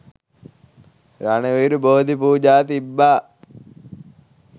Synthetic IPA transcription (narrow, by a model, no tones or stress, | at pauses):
ɾanəʋiːɾuboːod̪ipuːd͡ʒaːt̪ibːaː